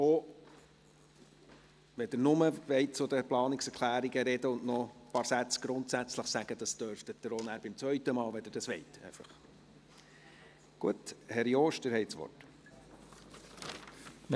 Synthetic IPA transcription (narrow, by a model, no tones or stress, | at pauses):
o | ʋɛd̥̪ɪɾnʊməʋɛɪt̚t͡sʊd̪əplɑːniksɛɾkʰlæːɾiɡəɾɛdəʊnʔnɔpɑːɾsæt͡sɡ̥ɾʊntsæt͡sləχsæɡ̥əd̥̪ɑsd̥œɾftətd̥̪əɾonæːɾbɪmt͡svœʏtəmɑːlʋɛd̪əɾd̥ɑsʋɛ̰ɪtɛ̰ɪfɑχ | ɡ̥uəthɛɾjoːʃd̥əɾhɛjtsʋɔ̰t